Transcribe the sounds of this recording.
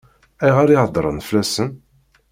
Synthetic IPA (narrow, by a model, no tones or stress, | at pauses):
æjʁaɾihəd̪ˤɾˤə̰nflæsən